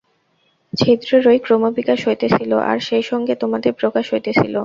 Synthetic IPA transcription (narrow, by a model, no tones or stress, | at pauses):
t͡ɕʰed̪ɾoɾojkɾomobikaʃɦojt̪et͡ɕʰiloʔa̰ɾʃejʃɔŋɡet̪omad̪eɾpɾokaʃɦojt̪et͡ɕʰilo